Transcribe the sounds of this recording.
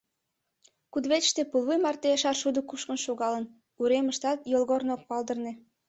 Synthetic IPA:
kud̪βeʃt̪epulˠβujmɑrt̪eəʃɑrʃud̪ə̆kuʃkənʃoɣɑlən | uɾeməʃt̪ɑt̪jolɣornok̚pɑld̪ə̆rnĕ

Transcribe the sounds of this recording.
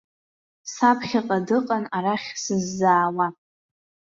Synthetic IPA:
sapʰχʲaqʼadɨqʼanaɾaχʲsɨzːaːwa

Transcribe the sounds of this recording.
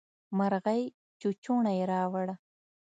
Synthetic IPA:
maɾɣaj | t͡ʃut͡ʃuɳajɾaːwaɽa

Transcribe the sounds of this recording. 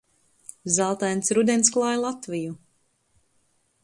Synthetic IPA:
zalˠt̪ajnsɾud̪ɛnsklˠaːjlˠat̪viju

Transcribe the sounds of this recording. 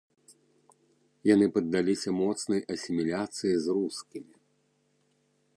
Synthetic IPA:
janɨpɐd̪ːalʲisʲɐmɔt̪snɐjʔɐsʲimʲilʲat̪sɨjizruskʲimʲi

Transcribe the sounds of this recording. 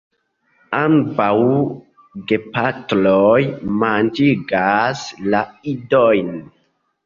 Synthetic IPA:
ambaw | ɡepatlojmand͡ʒiɡaslaidojn

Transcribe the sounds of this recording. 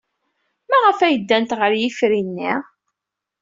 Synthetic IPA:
mæʁəfæjəd̪ːænt̪ʁəɾjifɾinːi

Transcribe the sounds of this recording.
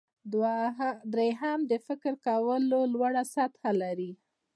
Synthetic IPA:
d̪ɾeɦamd̪əfɪkɾkawəlolwaɽasat̪xalaɾi

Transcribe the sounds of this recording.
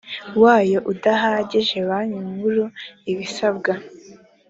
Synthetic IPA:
waːjo̞ʔudaɦaːɟeʒe̞βaɲumhuɾuiβisabɡa

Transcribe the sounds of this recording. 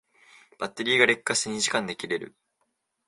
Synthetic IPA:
b̥at̪ːe̞ɾʲiːɡaɾʲe̞kːasɨɲ̟iʑi̥kãnd̪e̞kʲiɾe̞ɾɯ̟̰

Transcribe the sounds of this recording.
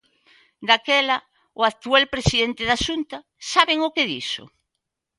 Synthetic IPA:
d̪akɛlɐ | ʊak̚t̪ualpɾesiðent̪ɪðaʃunt̪ɐ | saβeŋokeðḭsʊ̰

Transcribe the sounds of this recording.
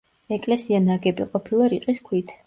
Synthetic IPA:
ɛkʼlɛsianaɡɛbḭqʼɔpʰilˠaɾiqʼiskʰwit̪ʰ

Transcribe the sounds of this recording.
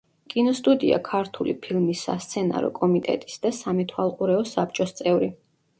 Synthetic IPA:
kʼinɔst̪ʼud̪ia̰kʰaɾt̪ʰulḭpʰilˠmisːa̰st̪sʰɛna̰ɾɔ̰kʼɔmit̪ʼɛ̰t̪ʼi̥sd̪asamɛt̪ʰwalˠqʼuɾɛɔsap̚ʰt͡ʃʼɔst̪sʼɛvɾi

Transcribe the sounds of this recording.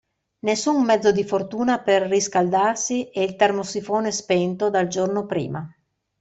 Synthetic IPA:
nesːummɛd̪zːod̪ifort̪uːnaperːiskald̪arsiɛilt̪ermosifoːnespɛnt̪od̪ald͡ʒornopɾḭːma

